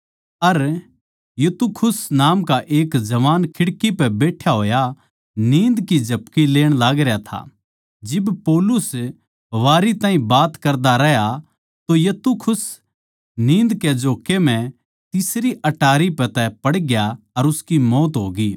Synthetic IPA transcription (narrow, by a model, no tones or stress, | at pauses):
ɐɾ | jɐt̪ukʰʊsnaːmkaʔeːkd͡ʒɐʋaːnkʰɪɽkipɛbeːʈʰjaɦoːja | nĩːnd̪kid͡ʒʱɐpkileːɽ̃laːɡɾjat̪ʰa̰ | d͡ʒɪbpɔːlʊs | ʋaːɾit̪ãːɦĩbaːt̪kɐɾd̪aɾɛɦja | t̪ojɐt̪ukʰʊs | nĩːnd̪ked͡ʒoːkem̤ɛ̃ | t̪ɪsɾiʔɐʈaːɾipɛt̪ɛpɐɽɡja | ɐɾʊskimɔːt̪ɦoːɡiː